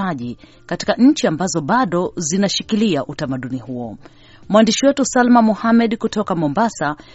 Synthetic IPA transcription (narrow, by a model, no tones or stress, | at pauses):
aʄi | kati̥kaɲ̩t͡ʃiambazɔɓaɗɔzinaʃikiliaʔutamaɗunihuɔ | mwandiʃiwɛtusalmamuhamɛɗkutɔkamɔmbasa